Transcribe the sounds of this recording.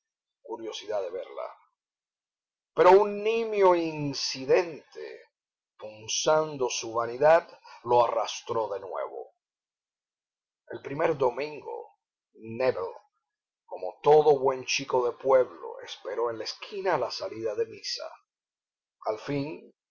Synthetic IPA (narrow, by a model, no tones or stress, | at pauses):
kuɾjo̞siðaðe̞βe̞ɾla̰ | pe̞ɾo̞unːĩmjo̞insiðe̞nt̪e̞̰ | punsand̪o̞suβaniðaðlo̞arast̪ɾo̞ðe̞nwe̞̰βo̞̰ | e̞̰lpɾime̞ɾðo̞mĩŋɡo̞̰ | neβel | ko̞mo̞t̪o̞ðo̞βwe̞nt͡ʃiko̞ðe̞pwe̞βlo̞̰e̞̰spe̞ɾo̞e̞nlaeskʰinalasaliðaðemisa̰ | alfin